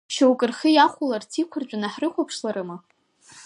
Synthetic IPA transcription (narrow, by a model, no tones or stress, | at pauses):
ʃawkʼɨrχijaχʷʊlartʰikʷʰʊrt͡ʃʷʼanaħrɨχʷapʰʂlaɾɨmɨ